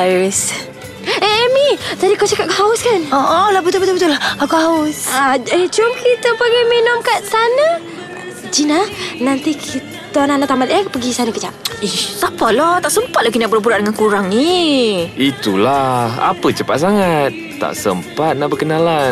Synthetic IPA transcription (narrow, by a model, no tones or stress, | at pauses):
ais | eemid͡ʒ̪adikawt͡ʃakap̚kaauskanoʔɔlabət̪ʊlbət̪ʊlbət̪ʊlahkakahaʊsad͡ʒadit͡ʃʊmkit̪əpaɡiminʊmkat̪sanə | d͡ʒinanant̪ikʰitt̪ananaʔt̪amat̪japəɡisanəkət͡ʃaʔihsapalɔt̪aʔsəmpat̪̚lakinaʔbəlbuɾaʔdəŋankuɾaŋni | it̪ulaha̰pət͡ʃəpa̰t̪̚saŋat̪̚ːa̰ʔsə̰mpat̪̚naʔbəkənalan